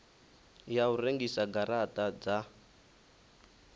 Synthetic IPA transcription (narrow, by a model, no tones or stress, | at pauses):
jaureŋɡisaɡaɾatʼad͡za